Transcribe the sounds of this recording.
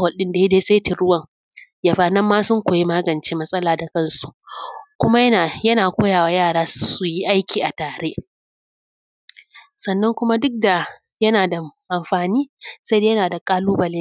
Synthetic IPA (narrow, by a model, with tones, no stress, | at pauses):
wɐ˨ɗɪ˦nda˨je˦deː˦se˦ti˨ɽʊ˦wɐ˨ŋ | ja˨ɸaː˨nɐ˦mːaː˦sʊ˦ŋkʷoː˨ji˦maː˦ɡɐ˨nt͡ʃeː˦mɐ˦sʼɐ˦laː˨da˨kɐ˦nsu˨kʷʊ˦ma˦jjɐ˦naː˨kʷoː˦jaː˨waː˨jaː˦˨ɽaː˨˦su˨ji˦ʔa˦jkʲʰiː˨ʔa˨taː˨ɽeː˦ʔ | sɐ˨nːɐ˦ŋkʷʊ˦ma˦dʊ˦k̚da˨ | jɐ˦naː˨da˨ʔa˨mɸaː˨niː˦sa˦jde˦jɐ˦naː˨da˨kʼaː˦luː˦bɐ˨leː˦